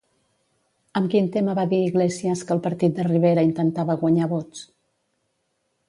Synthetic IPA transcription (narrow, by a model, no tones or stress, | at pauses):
əmkint̪eməβaðiiɣleziəskəlˠpəɾt̪it̪̚d̪əriβ̞eɾəint̪ənt̪aβəɣwəɲaβott͡s